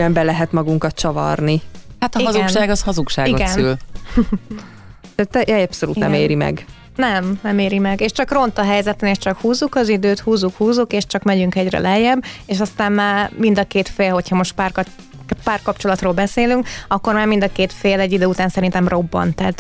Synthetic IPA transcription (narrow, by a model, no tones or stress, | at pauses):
ɛmbɛlɛɦɛt̪mɒɡuŋkɒt̪̚t͡ʃɒvɒ̰rnihat̪ɒiɒzuʃaːɡɒshɒzukʃaːioɡɛsnyl | ɛt̪ːɛjɛjɒpsolṵt̪nɛ̰meːɾimɛ̰ɡ | nɛmnɛmeːɾimɛɡeːʃt͡ʃɒkro̞nt̪ɒɦɛjzɛt̪ɛneːʃt͡ʃɒkhuːzukɒzid̪øːt̪huːzukhuːzukeːʃt͡ʃɒkmɛɟyŋkɛɟrɛ̰lɛjɛbːeːʃɒst̪aːmmaːrmind̪ɒkeːt̪feːlho̞chɒmo̞ʃt̪̚paːrk | paːrkɒpt͡ʃo̞lɒt̪roːlbɛseːlyŋkɒkːo̞rmaːɾrmind̪ɒkeːt̪feːlɛɟːid̪øːut̪aːnsɛɾint̪ɛmro̞bːɒ̰nt̪ɛːt̪